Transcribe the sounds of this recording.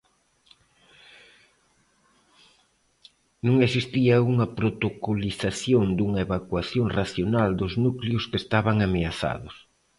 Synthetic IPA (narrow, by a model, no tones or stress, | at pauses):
nũŋesist̪iɐuŋɐpɾot̪okoliθaθjond̪uŋɐeβakwaθjoŋraθjonald̪ʊznukljʊskest̪aβaŋameaθa̰ðʊs